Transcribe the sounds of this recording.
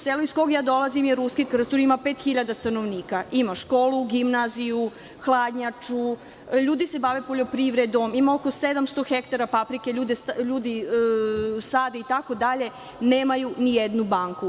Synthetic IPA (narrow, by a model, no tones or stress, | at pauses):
seloiskoɡjaːd̪o̞lˠazimjeɾuskikr̩st̪oɾimapeːt̪xiʎad̪ast̪anoʋniːkaimaʃko̞ːluɡimnaziju | xlˠad̪ɲat͡ʃu | ʎuːd̪ise̞baʋepo̞ʎo̞pɾiʋɾed̪o̞mimaoko̞sed̪amst̪oxekt̪aɾapapɾikeʎuːd̪esʎuːd̪i | saːd̪eit̪ako̞d̪aʎe̞ | neːmajunijed̪nubaŋku